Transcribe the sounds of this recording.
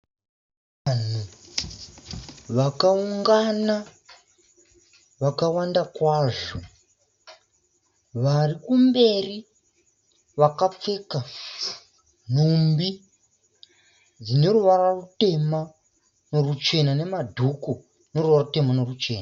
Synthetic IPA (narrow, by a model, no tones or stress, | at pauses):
an̤u | ʋakauŋɡana | ʋakawandakwaːʐo | ʋarikumbe̞ri | ʋakap͡fe̞ːka | n̤umbi | d͡zine̞ruʋarwarute̞ma | no̞rut͡ʃe̞nane̞madʱuku | no̞ruʋarute̞mano̞rut͡ʃe̞̰ːna